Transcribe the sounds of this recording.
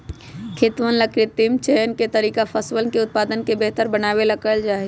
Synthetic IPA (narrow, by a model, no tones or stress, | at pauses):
kʰɪt̪ʋənləkɾɪt̪ɪmt͡ʃɛjənket̪əɾiːkapʰəsʋəlkeʊt̪̚paːd̪ənkebeɦt̪əɾbənaːʋeləkəld͡ʒaːɦi